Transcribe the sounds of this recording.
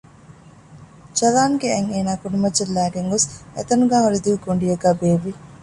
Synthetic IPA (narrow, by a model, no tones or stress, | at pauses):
d͡ʒɐlaːŋɡeeŋeːnaːkunumɐd͡ʒelːæːɡeŋɡosḛt̪ɐnuɡaːɦoɾid̪uʋiɡoɳɖijɐɡæːbeːʋːi